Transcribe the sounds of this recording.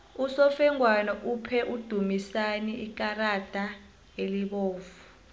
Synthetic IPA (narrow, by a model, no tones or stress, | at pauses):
usɔfɛŋwanɔʔupʰɛʔud̥ʱumisaniik̬ʼarad̥ʱa | eliɓoːvu